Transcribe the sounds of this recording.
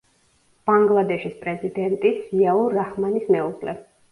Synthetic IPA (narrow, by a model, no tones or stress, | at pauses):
b̥aŋɡlˠad̪ɛʃispʼɾɛzid̪ɛnt̪ʼit̪sʰiaɔɾaχmanismɛuʁlɛ̰